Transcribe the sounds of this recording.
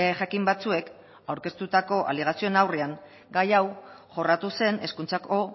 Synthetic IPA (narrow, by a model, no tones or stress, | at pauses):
eʝakimbat͡sue̞k | awɾke̞st̪ut̪ako̞ʔa̰liɣ̞asio̞enawreaŋ | ɡajaw | ʝo̞rat̪use̞ne̞skunt͡sako̞